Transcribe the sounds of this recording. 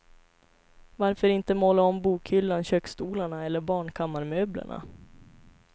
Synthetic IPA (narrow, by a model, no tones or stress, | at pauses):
vaɾfœɾɪnt̪əmɔlːaɔmbuːkhʏlːanɕøːksk̪uːlaɳaɛlːəɾbɑːɳkʰamːaɾmøːbla̰ɳa̰